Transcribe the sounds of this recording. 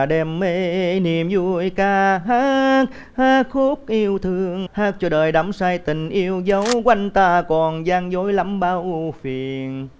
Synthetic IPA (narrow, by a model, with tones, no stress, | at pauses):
ɗɛ˧mːe˧˥ni˨˩əmzu˧˩jkaː˧ɦaː˧˦k̚ | haː˦˥kxu˦˥k̚ʔi˧əwt̪ʰɨ˧əŋhaː˦˥k̚t͡ɕɔ˧˩ɗəː˨˩jɗa˨˦msaː˧jt̪ï˨˩ŋ̟ʔi˧əwzə˨˦wkwa˧jŋ̟t̪aː˧˩kɔ˨˩nzaː˧ŋzo˨˦jla˨˦mɓaː˨˧˦wfi˨˩ən